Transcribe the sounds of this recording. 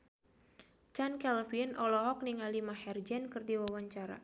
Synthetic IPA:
t͡ʃankɛlfinʔɔlɔɦɔk̚niŋalimahɛrd͡ʒɛnkɨrdiwawaɲt͡ʃaɾa̰

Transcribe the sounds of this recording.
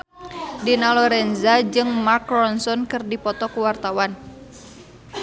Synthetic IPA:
dinalɔɾɛnzad͡ʒɨŋmakrɔnsɔnkɨrdipɔt̪ɔkuwart̪awan

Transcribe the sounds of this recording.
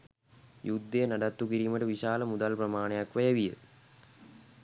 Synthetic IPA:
jud̪ːejnɐɖɐt̪ːukiɾimɐʈɨʋiɕaːlɐmud̪ɐlprɐmaːɳejɐkʋɐjɐʋijə̰

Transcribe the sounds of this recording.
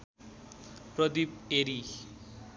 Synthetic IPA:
prʌd̪ip̚eɾi

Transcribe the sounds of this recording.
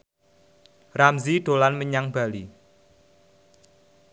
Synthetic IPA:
ramziɖ̥o̤lanməɲaŋb̥a̤li

